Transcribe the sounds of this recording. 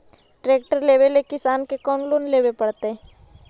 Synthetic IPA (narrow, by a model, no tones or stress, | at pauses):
ʈɾeːk̚ʈəɾleːʋelekɪsaːnkekɔːnloːnleːwepɐɽt̪eɦɛ̃